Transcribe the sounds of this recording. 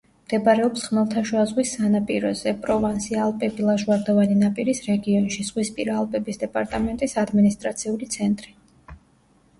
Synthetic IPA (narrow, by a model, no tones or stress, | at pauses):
md̪ɛpʼaɾɛɔpsχmɛlˠt̪ʰaʃuazʁwisanapʼiɾɔzɛpʼɾɔvansialˠpʼɛbilˠaʒwaɾd̪ɔvaninapʼiɾisɾɛɡiɔnʃiz̥ʁwispʼiɾaːlˠpʼɛbisd̪ɛpʼaɾt̪ʼamɛnt̪ʼisad̪minist̪ʼɾat̪sʰiulit̪sʰɛnt̪ʼɾi